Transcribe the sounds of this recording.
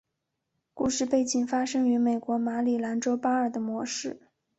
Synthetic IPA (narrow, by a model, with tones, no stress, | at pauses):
ku˥˧ʂɻ̩˥˧pe˥˧ɪt͡ɕi˨˩ŋfa˥ʂɤ˥ŋy˧˥me˨˩ɪkwɔ˧˥ma˧˥li˨˩la˧˥nʈ͡ʂo˥ʊpa˥ə˞˨˩d̪ə˦mwɔ˧˥ʂɻ̩˥˩